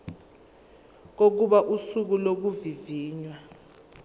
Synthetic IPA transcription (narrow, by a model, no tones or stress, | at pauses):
k̬ok̬uɓaʔusuk̬ulok̬uviviːɲwa